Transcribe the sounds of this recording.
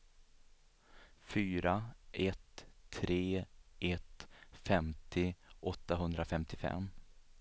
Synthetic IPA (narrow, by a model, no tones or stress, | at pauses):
fyːɾaʔɛt̪ʰːɾeːʔɛt̪fɛmt̪ɪʔɔt̪ːaɦɵnd̪ɾafɛmt̪ɪfɛ̰mː